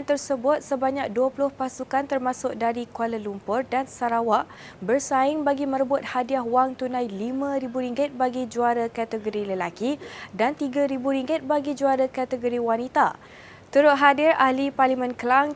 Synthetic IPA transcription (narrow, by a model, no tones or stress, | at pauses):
nt̪ərsəbʊt̪̚səbaɲak̚duəpulʊhpasukant̪ərmasʊk̚daɾikaləlumpʊrdansaɾawaʔ | bərsaɪŋbaɡimə̃ɾəbʊt̪̚hadiaɦwaŋt̪unãjlimãɾibuɾiŋɡɪt̪̚baɡid͡ʒuaɾakat̪əɡoɾiləlakidant̪iɡaɾibuɾiŋɡɪt̪̚baɡid͡ʒuaɾakat̪əɡoɾiwanit̪a̰ | t̪uɾʊt̪̚ɦadɪrahliparlimə̃nkəlaŋ